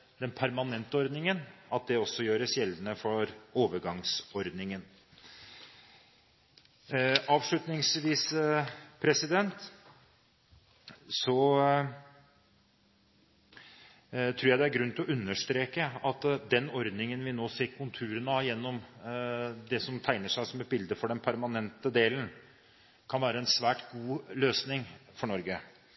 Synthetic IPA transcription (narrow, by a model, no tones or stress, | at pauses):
d̪ɛnpʰæɾmɑnɛnt̪əɔɾd̪nɪŋənɑt̪̚d̪ɛɔsːɔjøːɾəsjɛlənəfɔɾoːʋəɾɡɑŋsɔɾd̪nɪŋən | ɑːʋʂɭʉt̪nɪŋsʋiːs | pʰɾɛsɪd̪ɛnt̪ | sɔ | t̪ʰɾʉːɾjæɪd̪ɛæɾɡɾʉnt̪ʰɪlɔʔʉnːəʂt̪ɾeːkəɑt̪d̪ɛnɔɾd̪nɪŋənʋɪnoːseːɾkʰʊnt̪ʰʉːɾənəjɛnːɔm | d̪ɛsɔmt̪ʰæɪnəʂæɪsɔmɛt̪̚bɪld̪əfɔɖɛnpʰæɾmɑnɛnt̪əd̪eːlən̩ | kʰɑnʋæːɾəɛnsʋæːʈɡuːløːsnɪŋfɔɳɔɾɡə